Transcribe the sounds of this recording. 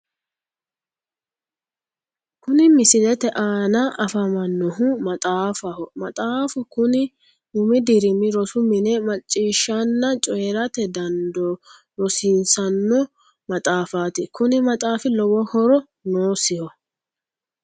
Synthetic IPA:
kʊnɪmɪsɪdɛt̪ɛʔaːnɐʔɐfɐmɐnːɔɦʊmɐt̪ʼaːfɐhɔmɐt̪ʼaːfʊkʊnɪ | ʊmɪd̪ɪɾɪmɪɾɔsʊmɪnɛmɐt͡ʃʼːiːʃːɐnːɐt͡ʃʼɔjɛɾɐt̪ɛd̪ɐnd̪ɔ | ɾɔsɪnsɐnːɔ | mɐt̪ʼaːfaːt̪ɪkʊnɪmɐt̪ʼaːfɪlɔwɔhɔɾɔ | noːsɪhɔ

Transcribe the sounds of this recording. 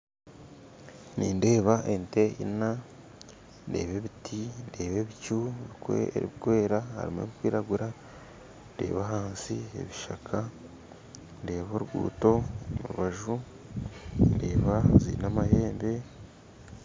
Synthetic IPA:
niːnde̞ːβaʔente̞ḭna | nde̞̰ːβe̞βitʰinde̞ːβeβicuβikḛeɾḭɡwe̞ːɾaha̰ɾḭmeβikwiːɾaɡuɾa | nde̞̰ːβaɦaːnsie̞̰βiʃakʰa | nde̞ːβoɾuɡṵːto̞muɾuβaʒu | nde̞ːβazḭnamahe̞ːmbe̞

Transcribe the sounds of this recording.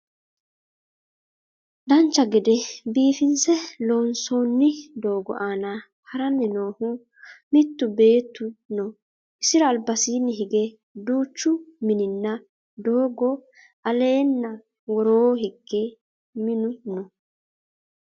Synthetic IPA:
d̪ɐnt͡ʃːɐɡɛd̪ɛbiːfɪnsɛlo̞ːnso̞ːnːɪd̪o̞ːɡɔ̰ʔaːna | hɐɾɐnːɪno̞ːhʊ | mɪt̪ːʊbe̞ːt̪ːʊnɔ | ʔɪsɪɾɐːlbɐsiːnːɪɦɪɡɛ | d̪uːt͡ʃːʊmɪnɪnːɐ | d̪o̞ːɡɔ | ɐle̞ːnːɐ | wɔɾoːhɪɡːɛ | mɪnʊnɔ

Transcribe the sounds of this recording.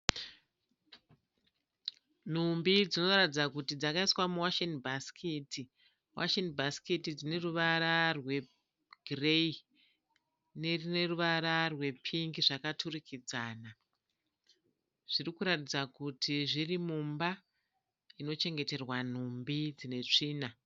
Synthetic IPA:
n̤umbid͡zino̞ratid͡zakutid͡zakaiswamuwaʃenbʱaskʰitʰi | wʔa̰ʃenbʱaskitid͡zine̞ruʋaɾarwe̞ | ɡrei | ne̞rine̞ruʋaɾarwe̞pʰiŋɡiʐakatʰurikʰid͡zaːna | ʐ̥irikuɾatid͡zakutʰiʐirimumba | ino̞t͡ʃe̞ŋɡe̞te̞rwan̤umbid͡zine̞t͡ʂiːna

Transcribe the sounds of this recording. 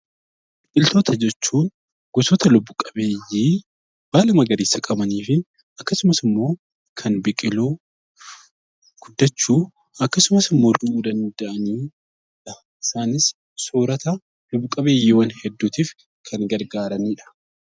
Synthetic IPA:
ᶑʼɪlt̪oːt̪ʰɐd͡ʒɛt͡ʃːuːn | ɡ̥ʊsoːt̪ɐlʊbːʊkʼɐbeːjːiː | b̥aːlɐmɐɡɐɾiːsɐkʼɐbɐniːfɪ | ɐkːɐsʊmɐsɪmːo̞ː | kʰɐnbɪkʼɪluː | ɡ̥ʊd̪ːɐt͡ʃːuː | ɐkːɐsʊmɐsɪmːoːɾd̪ʊʔuːd̪ɐnd̪ɐʔɐniː | ᶑɐ | ʔɪsaːnɪs | soːɾɐt̪ɐ | lʊbːʊkʼɐbe̞ːjːiːwɐnhɛd̪ːuːt̪iːf | kʰɐŋɡɐɾɡaːɾɐniːᶑɐ̥

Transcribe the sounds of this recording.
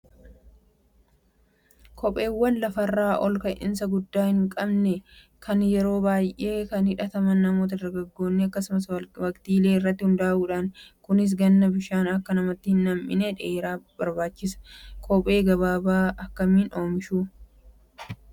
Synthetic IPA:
kʰɔpʼe̞ːwːɐnlɐfɐrːaːʔɔlkɐjʔɪ̰ns̬ɐɡʊd̪ːaːhɪŋkʼɐbnɛ | kʰɐnjɛɾo̞ːbaːjʔe̞ːkɐnhɪᶑɐt̪ɐmɐnːɐmoːt̪̬ɐd̪ɐɾɡɐɡːo̞ːnːɛɐkːɐsʊmɐswɐkt̪iːle̞ːɪrːɐt̪ːɪhʊnd̪aːʔuːᶑaːnkʊnɪs̬ɡɐnːɐbɪʃaːnɐkːɐnɐmɐt̪ːɪhɪnːɐmʔɪnɛᶑeːɾaːbɐɾbaːt͡ʃːɪsɐ̥kʰɔpʼe̞ːɡɐβaːbaːʔɐkːɐmiːno̞ːmɪʃuː

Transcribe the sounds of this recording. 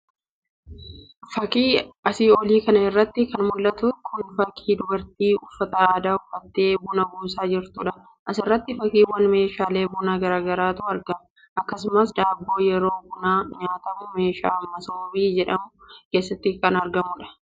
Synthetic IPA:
fɐkʼiːɐsiːoːliːkɐnɐɪrːɐt̪ːɪkɐnmʊllːɐt̪ʊkʰʊnfɐkʼiːd̪ʊbɐɾt̪iːʊfːɐt̪ɐaːd̪aːʊfːɐt̪ːe̞ːbʊnɐbuːsaːd͡ʒɪɾt̪ʊᶑɐ | ʔɐsɪrːɐt̪ːɪfɐkʼiːwɐnme̞ːʃaːle̞ːbʊnaːɡɐɾaːɡɐɾaːt̪ʊɐɾɡɐm | ʔɐkːɐsʊmɐsd̪aːbːo̞ːjɛɾo̞ːbʊnaːɲaːt̪ɐmʊme̞ːʃa̰ːmːɐsɐbbiːd͡ʒɛᶑɐmʊke̞ːsːɐt̪ːɪkɐnɐɾɡɐmʊᶑɐ̥

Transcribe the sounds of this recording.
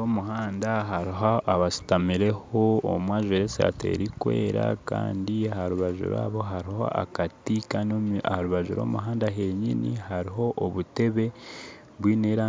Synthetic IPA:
omuhaːndaɦaɾiɦaʔaβasi̥tamiɾe̞hoo̰mwaːʒeɾesa̰te̞̰ɾikwe̞̰ːɾa̰kaːndiahaɾuβaʒṵɾa̰ːβo̞ɦaɾiho̞̰ʔa̰katikanoahaɾuβaʒuɾo̞̰ːmuɦaːndaɦe̞ɲinihaɾiɦo̞ʔoβute̞βe̞ | βwiːneɾa

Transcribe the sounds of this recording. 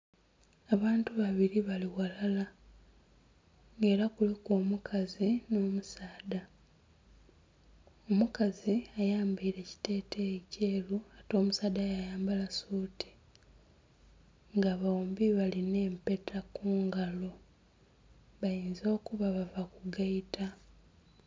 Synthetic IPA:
aβaːntuβaβiɾiβaliwalala | ŋɡe̞ːɾakulikoːmukʰazino̞ːmusaːda | omukaziajaːmbiiɾe̞ci̥te̞ːtʰece̞ːluato̞ːmusaːd̪ajajaːmbalasuːti̥ | ŋɡaβaombiβaline̞ːmpe̞tʰakuːŋɡalo̞ | βajiːnzo̞ːkuβaβavakuɡaitʰa

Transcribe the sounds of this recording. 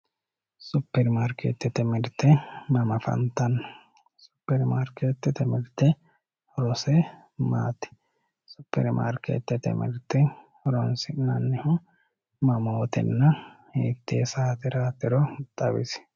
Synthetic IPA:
supːɛɾmaɾkḛːt̪ːɛt̪ɛmɪɾt̪ːɛmɐmɐfɐ̰nt̪ːɐnːɐ | su̥pːɛɾmaɾket̪ːɛt̪ɛmɪɾt̪ːɛ | ɾɔsɛ | maːt̪ɪ̥ | supːɛ̰ɾma̰ːɾkḛːt̪ːɛt̪ɛ̰mɪ̰ɾt̪ːɛ | ɾɔnsɪnɐnːɪhʊ | mɐmoːt̪ɛ̰nːɐheːt̪ːesaːt̪ɪɾaːt̪ɪɾɔt̪ʼɐβɪ̰s

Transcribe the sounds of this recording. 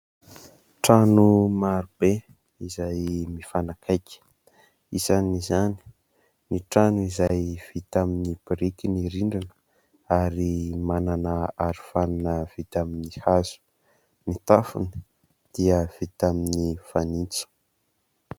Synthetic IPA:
ʈ͡ʂanumaɾub̥e | izajmifanakʰajkʲə̥ | isanizani̥ | niʈ͡ʂanuizajv̥it̪aminib̥ɾikʲiniɾiɳɖ͡ʐinə̥ | aɾimananəaɾifananəv̥it̪aminihazu̥ | nit̪afṵni | d̪̥iəv̥it̪aminifanit͡sə̥

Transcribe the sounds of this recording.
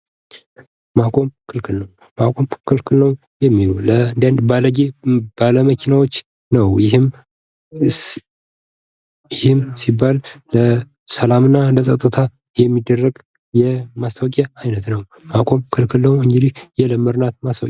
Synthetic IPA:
makʼo̞mkʰɨlkʰɨlnəw | makʼo̞mkʰɨlkʰɨlnəw | jɛmːilulənd̪anbaləɡeb̥aləməkʰinawot͡ʃː | nəwjɪɦɨm | jɪhɪmsibːalːə | səlamɨnːaləsʼət̪ʼːɨt̪ʰa | jɛmːid̪ːərːəɡ | jɛmast̪ʰawkʼaajnət̪nəw | makʼo̞mkʰɨlkʰɨlnəwɨŋɡɨd̪ihjɛləmːɨɾnat̪mast̪awkʼ

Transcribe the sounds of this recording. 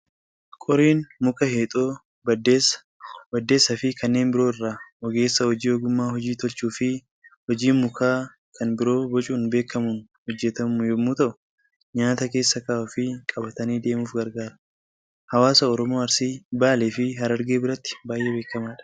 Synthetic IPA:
kʼɔɾiːnmʊkɐheːt̪ʼoː | bɐdes | bɐd̪ːe̞ːsːɐfɪkɐnːe̞ːnbɪɾo̞ːɪrːaːʔɔɡe̞ːsːɐhɔd͡ʒiːoɡʊmːaːhɔd͡ʒiːt̪ɔlt͡ʃuːfɪ | hɔd͡ʒiːnmʊkʰaː | kʰɐnbɪɾo̞ːbɔt͡ʃʼuːnbe̞ːkʰːɐmunhɔd͡ʒːɛt̪ɐmʊjɔmːuːt̪ɐʔʊ̥ | ɲaːt̪ɐke̞ːsːɐkɐɔfɪkʼɐbɐt̪ɐniːd̪e̞ːmuːfɡɐɾɡaːɾɐ | hɐwaːsɐɔɾɔmoːɐɾsiːbaːleːfɪhɐɾɐɾɡe̞ːbɪɾɐt̪ːɪ̥baːjʔe̞ːbe̞ːkːɐmaːᶑɐ̥

